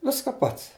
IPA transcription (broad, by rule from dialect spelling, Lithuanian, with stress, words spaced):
ˈʋʲɪskɐ ˈpɐts